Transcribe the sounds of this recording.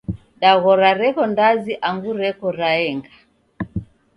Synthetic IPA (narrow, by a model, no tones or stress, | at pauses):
ɗaɣɔɾaɾɛkɔndaziʔaŋɡuɾɛkɔɾaɛŋɡa